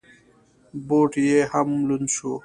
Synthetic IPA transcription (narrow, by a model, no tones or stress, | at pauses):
boːʈjehɐmlunsu